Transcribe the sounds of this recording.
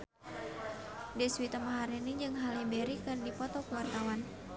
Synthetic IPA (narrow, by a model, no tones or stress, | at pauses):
dɛswit̪əmaɦaɾiniɲd͡ʒɨŋɦalibeɾikɨrdipɔt̪ɔkəwart̪awan